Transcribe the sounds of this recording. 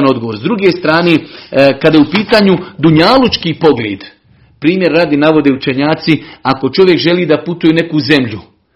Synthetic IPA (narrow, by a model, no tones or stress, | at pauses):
no̞d̪ɡo̞ʋoːɾzd̪ɾuɡest̪ɾaːneːkad̪ajeupiːt̪aːɲud̪uɲalut͡ʃkiːpo̞ɡlʲeːd̪̥ | pɾiːmje̞ɾːaːd̪enaʋo̞d̪eut͡ʃeɲaːt̪siako̞t͡ʃo̞ʋje̞kʒe̞liːd̪aput̪ujene̞kuːze̞mʎu